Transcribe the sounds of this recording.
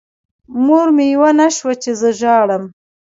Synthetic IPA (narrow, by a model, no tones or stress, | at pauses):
muɾmejwanaʃwat͡ʃezəʒɑɽəm